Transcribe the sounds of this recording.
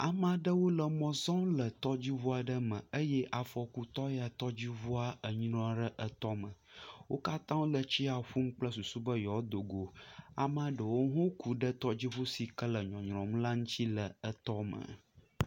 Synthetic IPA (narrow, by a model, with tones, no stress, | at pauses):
a˨ma˨ɖə˦wo˦lə˨mɔ̃˨zɔ̃˦mlə˨t̪ɔ˦d͡ʑi˦ɦu˦a˨ɖə˦mə̃˨ə˦jɛ˦ʔa˨fɔ˨ku˦t̪ɔ˦ja˨t̪ɔ˦d͡ʑi˦ɦu˦a˦ə˨ɲ˦nɔ̃˦a˨ɖə˦ʔə˦t̪ɔ˦mə̃˨ | wo˦ka˦t̪ã˦wo˦lə˨t͡ɕi˦a˨ɸu˦m̩˦k͡plə˦su˨su˦bə˦jɔ˨d̪o˨ɡo˨a̰˨mã˦ɖə˨wo˦ɦõ˦kʰu˨ɖə˦t̪ɔ˦d͡ʑi˦ɸu˦si˨kə˦lə˨ɲɔ̃˨ɲ˨ɾɔ̃˨m˦la˦ŋũ˦t͡ɕ̪i˦lə˨ə˨t̪ɔ˦mə̰̃˨